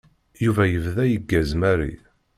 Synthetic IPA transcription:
juvæjəvðæjəɡːæzmæɾḭ

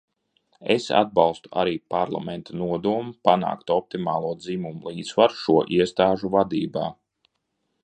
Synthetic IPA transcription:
ḛsa̰d̪̚balˠst̪u̥a̰ɾiːpaɾlˠa̰mɛnt̪anuɔd̪uɔmupana̰ːkt̪ɔp̚t̪imaːlˠuɔd̪zimumulˠiːt̪svaɾʃuɔʔiɛst̪aːʒuvad̪iːbaː

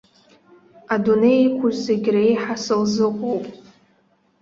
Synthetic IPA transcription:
adune̞jikʷʰʊʒzeɡʲrejħasɨlzɨqʷʼowpʼ

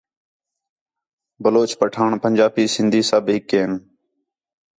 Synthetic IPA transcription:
bəloːt͡ʃpəʈʰaːɳpənʲd͡ʒaːpiːsɪnd̪ʱiːsaːbɦɪkːeːn

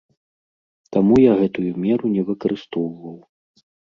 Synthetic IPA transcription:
t̪amujaɣɛt̪ujumʲɛɾunʲɛvɨkɐɾɨst̪ɔwvɐw

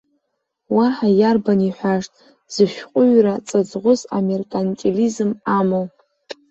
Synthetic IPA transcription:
waħajarbaniħʷaʂtʼ | z̥ɨʃᶣqʷʼʊɥrat͡sʼɨd͡zʁʷʊza̰merkʼant͡ʃʼelizɨmamow

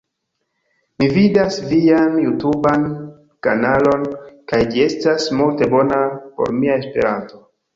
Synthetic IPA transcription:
mividasvianjutuban | kanalo̞nkajd͡ʒie̞stasmulte̞bo̞napo̞̰ɾmiae̞spe̞̰ɾanto̞

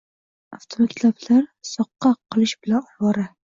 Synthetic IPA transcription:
aft̪ʰomakʲt̪lablaɾsɒqːɑqʰːɨlˠɪʃbɪlanɒwɒɾa

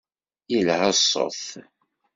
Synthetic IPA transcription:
ilhəsːo̰θ

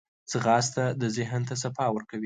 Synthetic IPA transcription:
t͡səɣɑst̪ad̪əzɪɦnt̪as̬afɑwəɾkawi

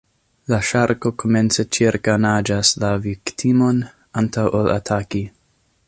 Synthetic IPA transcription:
laʃaɾko̞kʰo̞me̞nt͡se̞t͡ʃiɾkanad͡ʒaslaviktʰimo̞n | antawʔola̰tʰaki

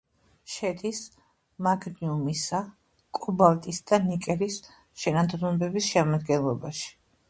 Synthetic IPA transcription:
ʃɛd̪is | maɡniumisa | kʼubalˠt̪ʼisd̪̥anikʼɛɾis | ʃɛnad̪ɾubɛbisʃɛmad̪ɡɛnlˠɔbaʃi̥

